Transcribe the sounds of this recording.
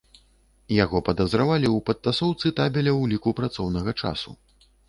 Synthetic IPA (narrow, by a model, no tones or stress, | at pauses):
jaɣɔpɐd̪ɐzɾavalʲiwpɐt̪ːasɔwt̪sɨt̪abʲɛlʲɐwlʲikupɾat̪sɔwnɐɣɐt͡ʂa̰sṵ